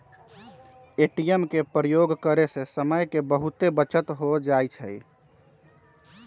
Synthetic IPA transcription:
eʈijemkepɾəjoɡkəɾesesəməjkebəɦut̪ebət͡ʃət̪ɦod͡ʒajt͡ʃʰəj

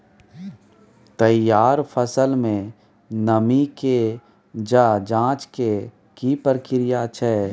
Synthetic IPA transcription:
t̪əjaːɾfʰəsəlmẽ | nəmike | d͡ʒad͡ʒãːt͡ʃke | kipəɾkɪɾɪjat͡ʃʰɛː

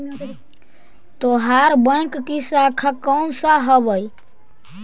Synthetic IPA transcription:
t̪oɦaɾbə̃kːisakʰakɔːnsaɦəbəj

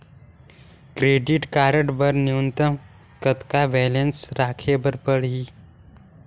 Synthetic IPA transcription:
kɾeːɖɪʈkaːɾəʈbəɾniunt̪əm | kət̪kaʋɛːlensɾaːkʰebəɾpəɽɦi

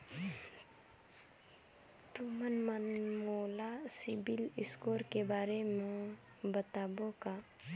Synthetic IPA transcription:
t̪umənmənmolasibilɪskoːɾkebaːɾemẽ | bət̪aːboka

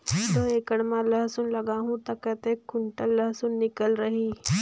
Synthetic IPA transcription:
t̪oːeːkəɽmãləɦsʊnlɐɡaːɦũt̪ɐkət̪eːkːʊɳʈəlːəɦsʊnːɪkəlɾɐɦiː

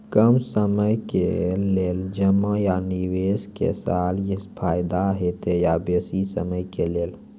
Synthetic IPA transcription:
kəmsəməjkḛleld͡ʒəmːəjaniweskḛsaljispʰajd̪aɦet̪ejabesisə̰məjkelel

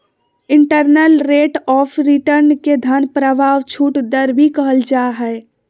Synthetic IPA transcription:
ɪ̃ɳʈəɾnəlɾeːʈɔːpʰɾiʈəɾnked̪ʱənpɾəbʱaːʋt͡ʃʰuːʈd̪əɾbʱikəɦəld͡ʒaːɦɛ

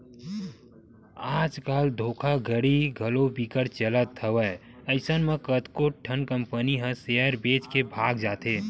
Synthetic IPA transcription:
aːd͡ʒkaːld̪ʱoːkʰaɡʱəɽiɡʱəlobikəɾt͡ʃələt̪ʰːəʋə | əɪsənmekət̪koʈʈʰːənkə̃mpəniɦə̃seəɾbeːt͡ʃkebʱaːɡd͡ʒaːt̪eː

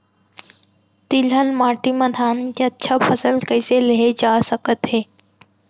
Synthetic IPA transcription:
t̪iləlmaːʈiməd̪ʱaːnkeətːʃʰapʰəsəlkəɪseleed͡ʒaːsəkət̪ɦeː

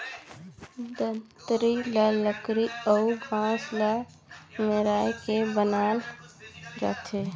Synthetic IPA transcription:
d̪ət̪ɾilələkɾiəubʱãslə | meɾajkebənal | d͡ʒə̰t̪ʰe

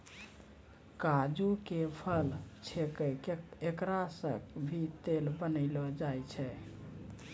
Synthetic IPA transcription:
kad͡ʒukepʰəlt͡ʃʰekəkekɾasə̰kbʱit̪elbənəɪlɔd͡ʒajt͡ʃʰɛ

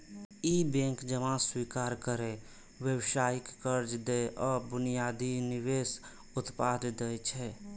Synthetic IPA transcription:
ibẽːŋkd͡ʒəmãswiːkaːɾkəɾe | wjəwʃaːɪkːəɾd͡ʒd̪eʔɔːɾbʊnijad̪inɪweːs | ʊt̪pad̪d̪ɛt͡ʃʰɛ

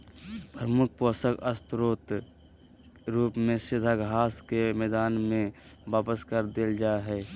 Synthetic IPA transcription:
pɾəmʊk̚ʰpoːsəkəst̪ɾoːt̪ | ɾuːpmẽsɪd̪ʱaɡʱaːskemɛːd̪aːnmẽʋaːpəskəɾd̪eld͡ʒaːɦɛː

